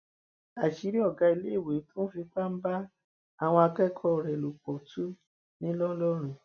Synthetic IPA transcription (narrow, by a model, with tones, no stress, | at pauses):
a˨ʃi˨˦ɾi˦ɔ˦˨ɡa˧i˧le˦˨we˨˦tũ˦fi˧k͡pa˦m̩˦ba˦ | a˦˨w̃ɔ̃˧a˧kɛ˦kʰɔ˧˨ɾɛ˨lu˨k͡pɔ˨tʰu˦ | nĩ˦lɔ˦lɔ˦ɾ̃ũ˨